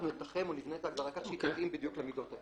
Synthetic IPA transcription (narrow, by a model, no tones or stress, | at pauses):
nulit̪aχemolivneet̪aɡd̪aʁakaʃit̪atimbid̪juklemid̪ot̪a